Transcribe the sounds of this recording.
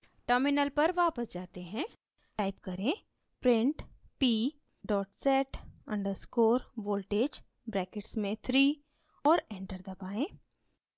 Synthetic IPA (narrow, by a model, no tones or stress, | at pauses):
ʈəɾmɪnəlpɐɾʋaːpəsd͡ʒaːt̪eɦɛ̃ː | ʈaːɪp̚kɐɾẽː | pɾɪ̃ɳʈpiː | ɖɔːʈsɛːʈə̰̃ɳɖəɾskoːɾʋoːlʈeːd͡ʒ | bɾɛːkeʈsmẽt̪ʰɾiː | ɔːɾɛ̃ːɳʈəɾd̪ɐbaːẽː